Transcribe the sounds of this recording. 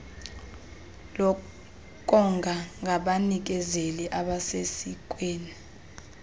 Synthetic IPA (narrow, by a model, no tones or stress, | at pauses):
lɔ | k̬ʼɔŋɡʱaŋɡʱaɓanik̬ɛzeliʔaɓasesik̬ʼweːni